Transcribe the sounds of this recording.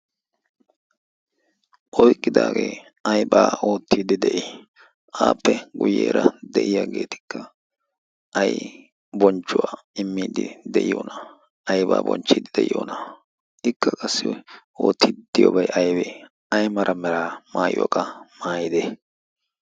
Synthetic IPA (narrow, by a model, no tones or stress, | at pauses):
ʔɔjkʼːɪd̪a̰ːɡeː | ɐjbaːo̞ːt̪ːiːd̪ɪd̪ɛʔɪ | ʔaːpːɛɡʊjḛːɾɐd̪ɛʔɪjaːɡe̞ːt̪ɪ̥kːɐ | ʔɐj | bɔnt͡ʃːʊwaː | ɪmːiːd̪ɪd̪ɛʔɪjoːnɐ | ɐjba̰ːbɔ̰nt͡ʃːiːd̪ɪd̪ɛʔɪjoːnɐ | ɪkːɐkʼɐsːɪ | o̰ːt̪ːiːd̪̥ɪjɔbɐjʔɐjbeː | ɐjmɐɾʔɐmɛɾaːmaːjokʼɐmaːjɪd̪e